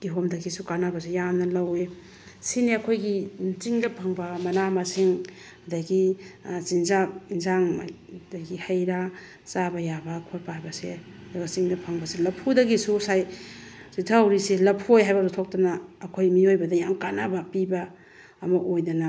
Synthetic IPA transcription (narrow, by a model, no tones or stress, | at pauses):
ɡ̥iɦomdɐɡisukanabɐsejamnɐlawe | sineɐkʰojɡit͡ʃiŋdɐpʰɐŋbɐmɐnamasiŋ | ɐdaɡit͡ʃinzapinzaŋ | daɡihɐjɾa | sabɐjabɐkʰoɾpaajbɐse | dɡat͡ʃiŋdɐpʰɐŋbɐselɐpʰudɐɡisusajsitʰawɾiselɐpʰojɦajbɐɡutʰok̚tɐnɐːkʰojmiojbɐdɐjamkanabapibaː | mɐʔojdɐna